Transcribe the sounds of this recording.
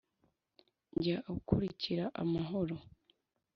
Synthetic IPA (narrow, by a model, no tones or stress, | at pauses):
ɲɟaʔukʰuɾiciɾaʔa̰maɦo̞ɾo̞